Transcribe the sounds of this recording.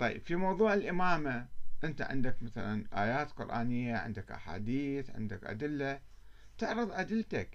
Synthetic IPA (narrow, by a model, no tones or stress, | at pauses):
t̪ˤɑjːɪ̰b̥fimɑwðˤuːʕɪlʔɪmaːmaʔɪnt̪a̰ʕɪ̰nd̪akmaθalanʔaːjaːt̪qʊɾʔaːnɪjːaʕɪ̰nd̪akʔa̰ħa̰ːd̪iːθʕɪ̰nd̪akʔa̰d̪ɪlːa | t̪ɪʕɾɨðˤʔad̪ɪlːt̪ak